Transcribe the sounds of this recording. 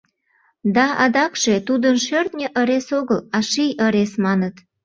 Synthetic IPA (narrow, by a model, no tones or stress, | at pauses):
d̪ɑʔɑ̰d̪ɑkʃe̽t̪ud̪ənʃørt̪nʲəʔəɾesoɣəlɑʃijəɾesmɑnət̪